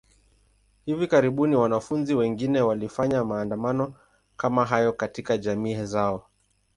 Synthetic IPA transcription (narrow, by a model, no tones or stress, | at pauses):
hivikaɾiɓuniwanafunziwɛŋɡinɛwalifaɲamaːndamanɔ | kamaɦajɔkatikaʄamiːɛzaɔ